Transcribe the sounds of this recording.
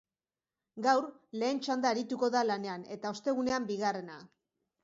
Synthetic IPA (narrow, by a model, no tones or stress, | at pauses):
ɡawɾle̞ːnt͡ʃand̪aːɾit̪uko̞ðalane̞ane̞t̪ao̞st̪e̞ɣ̞une̞ambiɣare̞na